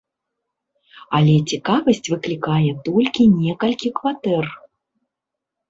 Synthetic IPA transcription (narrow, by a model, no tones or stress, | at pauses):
ɐlʲɛt͡sʲikavɐsʲt͡sʲvɨklʲikajɛt̪ɔlʲkʲinʲɛkɐlʲkʲikvat̪ɛr